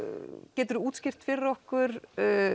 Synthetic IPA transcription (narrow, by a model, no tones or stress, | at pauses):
cɛːt̪ʏɾuːt̪scɪr̥t̪fɪɾɔhkʏɾ̥